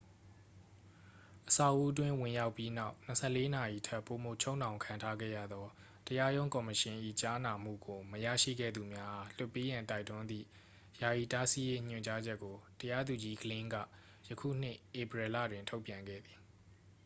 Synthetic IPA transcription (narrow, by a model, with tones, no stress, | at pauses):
ʔəsa˦˨ʊʔu˦ʔət̬wɪ̃˦wɪ̃˨ja˦ʊpːji˦na˦ʊn̥əsʰɛ˦˨le˦na˨ji˨tʰɛ˦pːo˨mo˨t͡ɕʰo˦ʊ̃nã˨ʊ̃ŋkʰã˨ntʰa˦ɡɛ̰˦˨jä̰˦˨d̪ɔ˦ | təja˦jõ˦ʊ̃ŋkɔ˨məʃɪ̃˨ʔḭ˦˨t͡ɕa˦na˨m̥ṵ˦˨ɡo˨məjä̰˦˨ʃḭ˦˨ɡɛ̰˦˨d̪u˨mja˦ʔa˦˨l̥ʊ˦˨pːe˦jã˨nta˦ɪtʊ̃˦nd̪ḭ˦˨ | ja˨ji˨ta˦si˦je˦ɲ̥ʊ̃˨ɲt͡ɕa˦d͡ʑɛ˦kːo˨təja˦d̪u˨d͡ʑi˦ɡəlɪ̃˦ŋɡä̰˦˨ | jəkʰṵ˦˨n̥ɪ̰˦ʔe˨pɹɛ˨lä̰˦˨dwɪ̃˨ntʰo˦ʊpjã˨ŋɡɛ̰˦˨d̪ði̥˨